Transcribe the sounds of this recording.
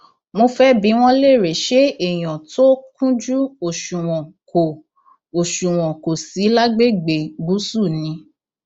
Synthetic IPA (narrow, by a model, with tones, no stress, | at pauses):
mo˧fɛ˦bi˨˦w̃ɔ̃˧˦le˦˨ɾe˨ʃe˦e˨j̃ɔ̃˨to˦kũ˦d͡ʒu˦o˨ʃu˨w̃ɔ̃˨ | o˨ | o˨ʃũ˨w̃ɔ̃˨ko˨si˨˦la˦ɡ͡be˦˨ɡ͡be˨ɡu˨˦su˦˨nĩ˨˧˦